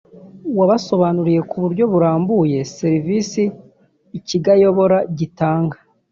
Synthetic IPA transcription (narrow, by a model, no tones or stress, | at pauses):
waβaso̞βanuɾije̞kuβuɾɟo̞βuɾaːmbuje̞seɾivisiː | ciɡajo̞βo̞ɾaɟitaːŋɡa